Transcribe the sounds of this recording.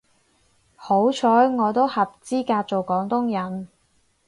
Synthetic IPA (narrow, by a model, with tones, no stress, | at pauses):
ho˨˥wt͡ʃʰɔː˨˥jŋɔː˨˧t̪̬o˥whɐ˨p̚t͡siː˥kaː˧t̚t͡so˨wkɔː˨˥ŋt̪ʊ˥ŋjɐ˨˥n